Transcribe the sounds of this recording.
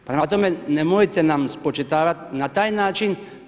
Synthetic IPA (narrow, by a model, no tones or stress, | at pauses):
pɾemat̪omenemojt̪enamspot͡ʃet̪aːʋat̪nat̪aːjnaːt͡ʃin